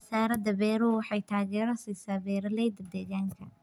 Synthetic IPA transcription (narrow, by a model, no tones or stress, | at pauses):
saːɾɐd̪ɐbɛːɾʊwɑħɑjt̪ʰaːɣɛːɾɐsiːsaːbɛːɾɐlɛjd̪ɐd̪ɛːjaːŋkʰɐ